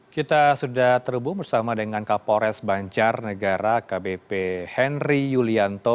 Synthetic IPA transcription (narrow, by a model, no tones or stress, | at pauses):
kit̪asudaht̪ərbʊbərsamadəŋankapoɾɛsbaɲt͡ʃarnəɡaɾakabepehɛnrijuliant̪o